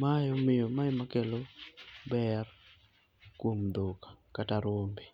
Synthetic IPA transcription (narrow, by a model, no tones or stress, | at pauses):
majomɪjomajmakelobɛr | kwomd̪okḁkataɾwombe